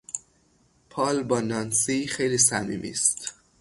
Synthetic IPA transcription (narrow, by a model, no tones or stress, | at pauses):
pʰɒːlbɒːnɒːnsixejliːsæmḭːmʔḭːst̪